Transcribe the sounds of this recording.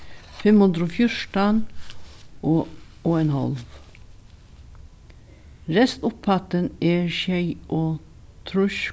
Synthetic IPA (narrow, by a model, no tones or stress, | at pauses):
fɛmhʉnd̪ɾofjʊʂʈɑn | ʔooːɛnhɑ̰lʋ | ɾɛst̪ʊpfɑt̪əneːʃæɪʔoː | t̪ʰɾʉʃ